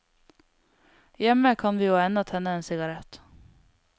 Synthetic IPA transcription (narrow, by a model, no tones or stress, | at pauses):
jɛmːəkʰɑnʋɪːɑɛnd̪ɑt̪hɛnːəeːnsɪɡɑɾɛt̪